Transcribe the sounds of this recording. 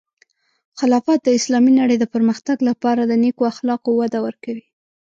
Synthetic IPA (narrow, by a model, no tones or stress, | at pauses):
xɪlɑfɑt̪̚d̪əɪslɑminaɽəjd̪əpəɾməxt̪aɡlapɑɾad̪ənekoaxlɑqowad̪awəɾkawi